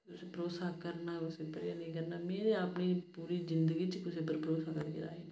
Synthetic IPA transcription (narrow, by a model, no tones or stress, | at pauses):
kʊsepɾoːsaːkəɾnaːʊsepəɾjaːnĩːkəɾnaːmeːneapniːppuːɾiːzɪnd̪əɡiːt͡ʃkʊsepəɾpɾoːsaːkəɾkeɾa̰ːeː